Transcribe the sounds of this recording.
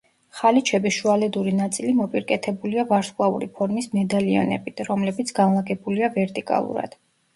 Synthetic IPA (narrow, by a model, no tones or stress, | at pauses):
χalit͡ʃʰɛbiʃualɛd̪uɾinat̪sʼilimɔpʼiɾkʼɛt̪ʰɛbuliavaɾskʼlˠaṵɾḭpʰɔɾmismɛd̪alia̰nɛ̰bit̪ʰɾɔmlɛbit̪sʰɡ̥anlˠaɡɛbuliavɛɾt̪ʼikʼa̰lˠṵɾa̰d̪̥